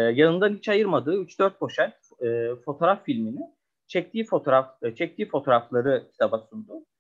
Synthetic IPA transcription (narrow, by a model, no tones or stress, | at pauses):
janɯnd̪anhit͡ʃajɯɾmad̪ɯːyt͡ʃd̪øɾt̪̚bʰo̞ʃanː | fo̞t̪ʰoɾafːilʲminɪ | t͡ʃʰɛc̚t̪ʰiːfo̞t̪ʰoɾaft͡ʃʰɛc̚t̪ʰiːfo̞t̪ʰo̞ːɾaflˠaɾɯcʰi̥t̪ʰabasund̪ʊ